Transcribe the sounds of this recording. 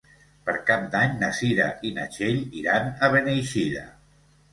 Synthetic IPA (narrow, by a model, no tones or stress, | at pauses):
pəɾkap̚d̪aɲnəsiɾa̰ʔinə̰ʃeʎiɾanəβenejʃiɾə̰